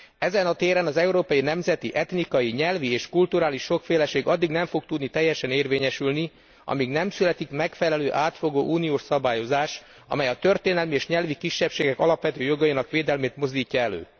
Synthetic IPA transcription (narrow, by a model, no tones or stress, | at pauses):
ɛzɛnɒt̪eːɾɛnɒzɛuɾoːpɒjinɛmzɛt̪iʔɛt̪nikɒjiɲɛlvieːʃkult̪uɾaːliʃːo̞kfeːlɛʃeːɡɒd̪ːiɡnɛɱfo̞k̚t̪ud̪nit̪ɛjːɛʃɛneːrveːɲɛʃylni | ʔɒ̰miɡnɛmsylɛt̪ikmɛkfɛlɛløːʔaːt̪fo̞ɡoːʔuːnijoːʃsɒbaːjo̞zaːʃ | ɒ̰mɛjɒt̪ø̞rt̪eːnɛlmieːʃɲɛlvikiʃːɛpʃeːɡɛkɒlɒpʋɛt̪øːjo̞ɡɒinɒkʋeːd̪ɛlmeːt̪mo̞zd̪iːcːɒɛlø̰ː